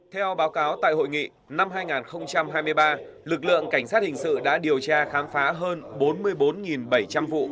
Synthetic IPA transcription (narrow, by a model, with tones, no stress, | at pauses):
t̪ʰɛ˧wɓaː˨˦wkaː˨˦wt̪a̰ː˧˨jɦo̰˧˨jŋḭ˧˨ | na˧mɦaː˧jŋaː˨˩nxə˧wŋ͡mt͡ɕa˧mɦaː˧jmɨ˧əjɓaː˧lɨ˨˩k̚lɨ̰˧˨əŋka˧˩jŋ̟saː˦˥t̚hï˨˩ŋ̟sɨ̰˧˨ɗa̰ː˧˥ɗi˨˩əwt͡ɕaː˧xaː˨˦mfaː˨˦ɦəː˧nɓo˨˦nmɨ˧əjɓo˨˦nŋi˨˩nɓə˧˩jt͡ɕa˧mvṵ˧˨